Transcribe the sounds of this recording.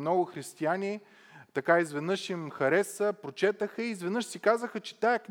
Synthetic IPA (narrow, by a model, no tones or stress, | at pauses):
nɔɡʊxɾist̪ianʲi | t̪ɐkaizvɛd̪nɤʃimxɐɾɛsəpɾot͡ʃɛt̪əxəizvɛd̪nɤʃsikazəxət͡ʃɛ̥t̪ajək